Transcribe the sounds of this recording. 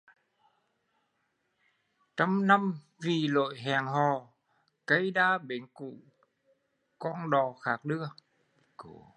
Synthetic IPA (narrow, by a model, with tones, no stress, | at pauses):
t͡ɕa˧mna˧m | vi˨˩lo̰˧˨jɦɛ˨˩ŋɦɔ˨˩ | kə˧˦jɗaː˧ɓe˨˦nkṵ˧˨ | kɔ˧nɗɔ˨˩xaː˨˦˥k̚ɗɨ˧˦ə